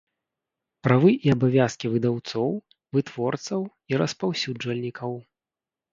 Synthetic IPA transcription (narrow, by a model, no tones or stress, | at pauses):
pɾavɨʔiɐbavʲaskʲivɨd̪awt̪sɔw | vɨt̪v̥ɔrt̪sɐw | iɾɐspawsʲud͡ʐvɐlʲnʲikɐw